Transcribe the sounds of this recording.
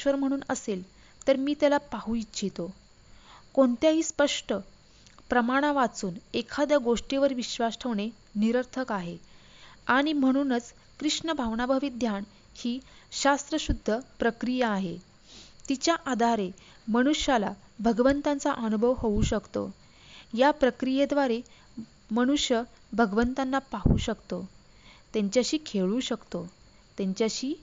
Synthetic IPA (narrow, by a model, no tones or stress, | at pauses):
ɕʋəɾm̤əɽ̃uːnəsel | t̪əɾmiːt̪jalapaɦuitːɕʰit̪o | koɳt̪jaɦiːspəʂʈə | pɾəmaɽ̃aʋat͡suːnekʰad̪əɡoʂʈeʋəɾʋiɕʋasʈʰəʋɳe | niɾəɾt̪ʰəkaɦe | aɽ̃im̤əɽ̃uːnət͡s | kɾiʂɳəbʱaʋɳabʱəʋiːt̪̚d̪ʱjaɳ | hiː | ɕast̪ɾəɕud̪ʱːəpɾəkɾijəaɦḛ | t̪it͡ɕjaʔad̪ʱaɾe | məɽ̃uɕjala̰ | bʱəɡʋənt̪ãnt͡saʔənubʱəʋɦouɕəkt̪o̰ | japɾəkɾijed̪ʋaɾe | məɽ̃uʂjə | bʱəɡʋənt̪anːapaɦṵːɕəkt̪o | t̪jaɲt͡ɕjaɕiːkʰeɭuːɕəkt̪o | t̪jaɲt͡ɕjaɕiː